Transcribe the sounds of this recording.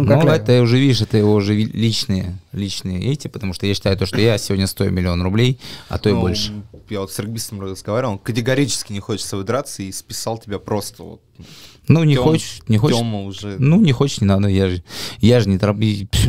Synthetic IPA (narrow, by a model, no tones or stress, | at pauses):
nuɛt̪ːɨʊʐɛvʲidʲɪʂɛt̪əjɪvo̞ʊʐɛilʲit͡ɕnɨjəlʲit͡ɕnɨjəʔetʲɪpət̪ɐmuʂt̪ojaɕːɪt̪ajʊt̪o̞ʂt̪ojasʲɪvo̞dʲnʲəst̪o̞jʊ̰mʲɪlʲɪo̞nrʊblʲejɐ̰t̪o̞ɪbo̞lʲʂɨ̥javot̪srɨɡ̚bʲist̪əməzɡɐvaɾʲɪvlˠokətʲɪɡɐɾʲit͡ɕɪ̥skʲɪnʲɪxot͡ɕɪ̥t̪səvɨd̪ɾat̪səispʲɪ̥salˠtʲɪbʲapɾo̞st̪əvo̰t̪̚ | nunʲɪxot͡ɕɪ̥ʂnʲɪxooməʊʐɛnunʲɪxo̞t͡ɕɪ̥ʂnʲɪnad̪əjaʐɨjaʐɨnʲɪt̪ɾɐbi